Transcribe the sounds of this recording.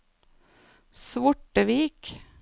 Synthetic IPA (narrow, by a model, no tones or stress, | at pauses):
sʋʊʈəʋiːk